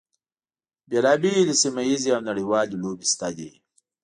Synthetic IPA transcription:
belɑːbiləsimajiziawnaɽiwɑːlilobist̪ad̪ḭ

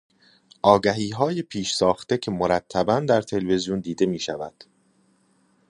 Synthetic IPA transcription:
ʔɒːɡæɦiːɦɒːjepʰiːʃsɒːxt̪ecʰe̞moɾæt̪ʰːæbænd̪æɾt̪ʰe̞lve̞zijund̪iːd̪e̞miːʃævæ̰d̪̥

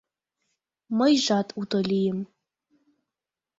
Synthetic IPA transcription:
mɐjʒʷatʼutʼolijɪm

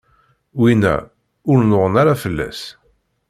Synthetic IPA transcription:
winæ̰ | ʊɾnʊʁənaɾafəlːæ̰s

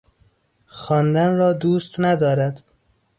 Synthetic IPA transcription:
xɒːnd̪ænɾɒːd̪uːst̪næd̪ɒːɾæd̪̥

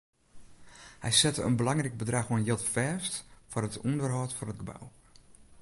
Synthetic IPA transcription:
hɛ̰jsɛtəənbəlɑŋrɛk̚bədraxoənjɪlˠtfɛstfʊrɦətundərɦɔːtfɔrɦət̚ɡəba̰w

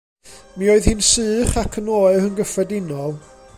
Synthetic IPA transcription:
mioːɨðhɨnsɨːχakʰənoːɨɾənɡəfrɛdɪnɔlˠ

